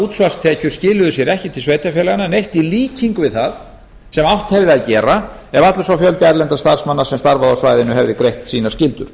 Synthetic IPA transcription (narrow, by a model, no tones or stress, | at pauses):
uːt̪svast̪ʰɛːcʏɾ̥scɪːlʏðʏsjɛɾɛhcɪt̪ʰɪlsveːjt̪afjɛːlaɣananejht̪iliːciŋkʏvɪðθað | sɛmawht̪hɛvðɪaðcɛːɾa | ɛvat̪lʏsawfjœlt̪ɪajɾlɛnt̪ḁst̪aɾ̥smanːḁsɛmst̪aɾvaðasvajðɪnːʏɦɛvðɪkɾejht̪siːnaɾ̥scɪlt̪ʏɾ̥